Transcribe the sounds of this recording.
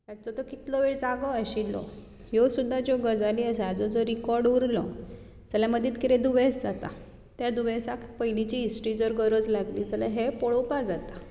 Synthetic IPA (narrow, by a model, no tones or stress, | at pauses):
t̪jat͡sɔt̪ɔkit̪lɔʋeɭd͡zaɡɔəɕilɔ̰ | josud̪ʱːad͡ʑoɡəd͡zaliːəsead͡zɔd͡zɔɾikɔɾɖuɾlɔ | d͡zəljaməd̪ʱːiːt̪kiɾẽd̪uʋesd͡zat̪a̰ | t̪jad̪uʋesakpəjnit͡ɕiːsʈid͡zəɾɡəɾəd͡zlaɡliːd͡zəlaɦepɔɭowpad͡zat̪ḁ